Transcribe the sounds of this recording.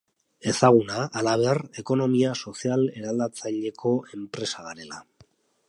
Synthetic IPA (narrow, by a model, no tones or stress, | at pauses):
e̞saɣ̞unaʔːlaβ̞e̞are̞ko̞no̞miaso̞siale̞ɾald̪at͡saʎe̞kʰo̞e̞mpɾe̞saðaɾe̞la